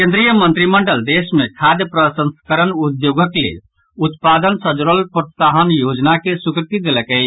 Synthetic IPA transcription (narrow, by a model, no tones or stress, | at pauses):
kẽnd̪ɾijəmə̃nt̪ɾiməɳɖəld̪esmekʰad̪jəpɾəsə̃nskəɾənud̪joɡəklḛl | ut̪pad̪ənsəd͡ʒɾəlpɾət̪saɦənjod͡ʒnakesukɾt̪id̪eləkɛ